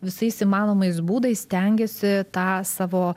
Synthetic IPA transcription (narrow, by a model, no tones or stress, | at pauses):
ʋʲɪsɐɪsiːmɑːnoːmɐɪsbuːd̪ɐɪssʲt̪ʲɛŋʲɡʲesʲɪt̪ɑːsɑːʋoː